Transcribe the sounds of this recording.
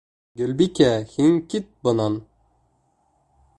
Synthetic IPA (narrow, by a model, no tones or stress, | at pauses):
ɡɵlbikʲæhiŋkit̪̚bɤ̆nɑn